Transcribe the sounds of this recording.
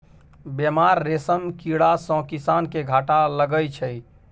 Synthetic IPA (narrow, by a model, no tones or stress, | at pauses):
bemaɾːesəmkiɽasɔ̃kisankeɡʱaʈaləɡəjt͡ʃʰəj